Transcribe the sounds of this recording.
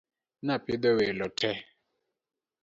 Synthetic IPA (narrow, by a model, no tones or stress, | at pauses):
napid̪ɔwelɔtʰɛ